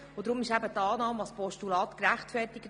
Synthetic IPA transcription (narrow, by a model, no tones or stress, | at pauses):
od̪ɾʊmɪʃæbət̪ɑːnɑːmɑspɔʃtulɑːtkɾæχtfɛrtɪɡ̥